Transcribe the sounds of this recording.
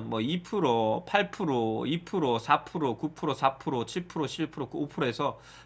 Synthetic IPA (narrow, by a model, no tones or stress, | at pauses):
nmwʌipʰɯɾopʰaɭpʰɯɾoipʰɯɾosʰapʰɯɾokupʰɯɾosʰapʰɯɾot͡ɕʰiɭpʰɯɾot͡ɕʰiɭpʰɯɾokopʰɯɾoe̞sʰʌ